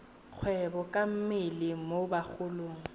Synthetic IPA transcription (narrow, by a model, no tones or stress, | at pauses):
k͡xʰwɛbɔkʼam̩mɪlɪmobak͡xʰʊloːŋ̩